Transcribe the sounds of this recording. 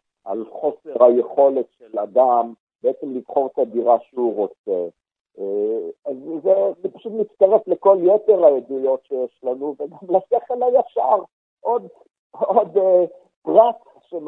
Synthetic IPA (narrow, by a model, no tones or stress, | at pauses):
ʔa̰lχo̞seʁhajeχo̞le̞t̪ʃelad̪am | beet͡semliv̥χo̞ʁt̪ad̪iʁaʃeuʁo̞t͡se | azzezepaʃut̪mit͡st̪aʁefleko̞ljete̞ʁajed̪ujo̞tʃejeʃlanuveɡamlaseχelajaʃaʁ | ʔo̞d̪ | od̪ | pʁak | ʃem